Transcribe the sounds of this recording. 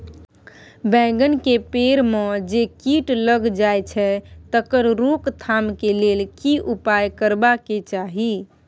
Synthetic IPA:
bɛ̃ɡənkepeɾmed͡ʒekiʈləɡd͡ʒajt͡ʃʰɛt̪əkəɾɾokt̪ʰamkelelkiʔupajkəɾbaket͡ʃaɦi

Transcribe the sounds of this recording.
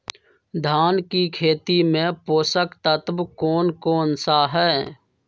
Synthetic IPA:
d̪ʱaːnkikʰeːt̪imẽpoːsəkt̪ət̪bkoːnkoːnsaɦɛː

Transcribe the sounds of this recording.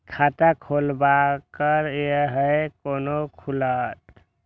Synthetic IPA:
kʰat̪akʰolbakəɾjəɦəjkonokʰulət̪

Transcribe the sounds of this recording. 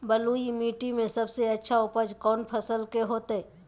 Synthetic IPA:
bəluimiːʈimẽsɐbseɐtːʃʰaʊpəd͡ʒkɔːnpʰəsəlkeɦoːt̪eɛ

